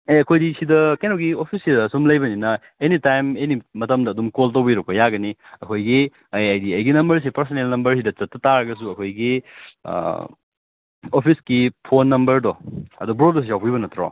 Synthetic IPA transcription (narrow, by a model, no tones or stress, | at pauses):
eɐkʰojdisidɐkajnoɡiopʰisːidɐːsumlɐjbɐninɐ | enitajmenimɐtɐmdɐːdumkoltɐwbiɾɐk̚pɐjaɡɐniɐkʰojɡi | ɐjajdiɐjɡinɐmbɐɾs̬ipɐɾsonelnɐmbɐɾs̬idɐt͡ʃɐtːɐtaɾɐɡɐs̬uɐkʰojɡḭ | opʰisɡipʰonːɐmbɐɾdɔɐ̰dubɾodosijawpibɐnɐtɾo̰